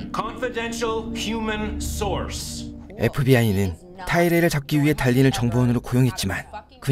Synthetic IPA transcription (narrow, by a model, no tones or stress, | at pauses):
kʰɑ̃ɱfɪdɛ̃nʃəl̩ˠhjumə̃nsɔɹse̞̰pʰɯbiainɯn | tʰaiɾe̞ɾɯɭt͡ɕak̚k͈iɥiɦe̞taʎːinɯnt͡ɕʌŋbowʌnɯɾokojoŋɦe̞t̚t͡ɕ͈iman | kɯ